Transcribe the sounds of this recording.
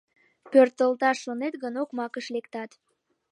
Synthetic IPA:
pørt̪əlt̪ɑʃːonet̪ɣənokmɑkəʃlekt̪ɑt̪

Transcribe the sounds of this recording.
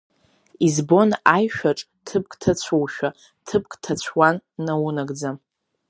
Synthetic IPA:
izbo̞najʃᶣaʈ͡ʂʼ | tʰɨp̚kʼtʰat͡ɕʷʰowʃᶣa | tʰɨp̚kʼtʰat͡ɕʷʰwanːawunaɡd͡zam

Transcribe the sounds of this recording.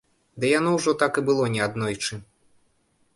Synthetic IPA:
d̪ɨjanɔwʐɔt̪akɨbɨlˠɔnʲɛad̪nɔjt͡ʂɨ

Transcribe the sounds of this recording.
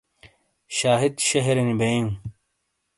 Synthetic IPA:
ɕaːɦid̪ɕɐɦeɾenibeũ

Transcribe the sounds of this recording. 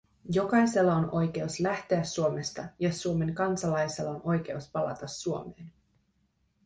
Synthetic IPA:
jo̞kɑjse̞lːɑonʔo̞jk̟e̞uslæht̪e̞æsːuo̞me̞st̪ɑjɑsuo̞me̞ŋkɑnsɑlɑjse̞lːɑonʔo̞jk̟e̞uspɑlɑ̰t̪ɑsːuo̞me̞ːn

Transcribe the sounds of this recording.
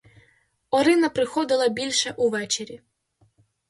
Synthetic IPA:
ɔɾɪnɐpɾɪxɔd̪ɪlˠɐbʲilʲʃɛʔuʋɛt͡ʃeɾʲi

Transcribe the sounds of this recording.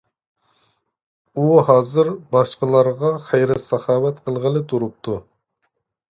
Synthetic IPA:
uhɑːzɨɾbɑʃqəlˠɑɾʁɑχɛjɾɪsɑχɑːwɛt̪qʰəlˠʁəlɨt̪ʰuɾup̚t̪ʰu

